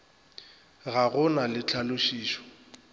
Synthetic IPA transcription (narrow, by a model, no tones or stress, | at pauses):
ɣaɣʊnalɪt͡ɬʰalʊʃiːʃɔ̥